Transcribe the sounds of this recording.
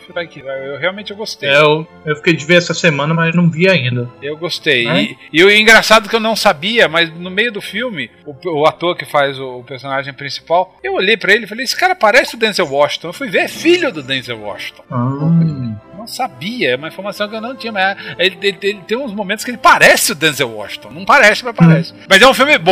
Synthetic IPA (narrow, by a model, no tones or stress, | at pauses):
fiajkɪewɦeawmẽnt͡ʃɪewɡost̪ew | ewfi̥kejd͡ʒɪveɾɛsɐsemɐ̃nɐmɐzewnɐ̃w̃viaĩnd̪ɐewɡost̪ejɪwĩɡɾasad̪ʊkɪewnɐ̃w̃sabiɐmɐznʊmejʊd̪ʊfiwmɪʊʊat̪oɾkɪfazʊːpeɾsõnaʒẽj̃pɾĩsi̥pawewoʎejpɾɐelɪfalejsɪ̥kaɾɐpaɾɛsɪʊd̪ẽzewwɔʃĩ̥t̪õewfujveɾfiʎʊd̪ʊd̪ẽnzewwɔ̰ʃĩ̥t̪õaõenɐ̃w̃sabiɐɛũmɐĩfoɾmasɐ̃w̃kɪewnɐ̃w̃t͡ʃĩɲɐmɐzɛelɪelɪelɪt̪ẽj̃ũzmõmẽt̪ʊskelɪpaɾɛsɪʊd̪ẽnzewwɔ̰ʃĩ̥t̪õnɐ̃w̃paɾɛsɪpɾɐpaɾɛsɪ̥mɐzɛũfiwmɪbõ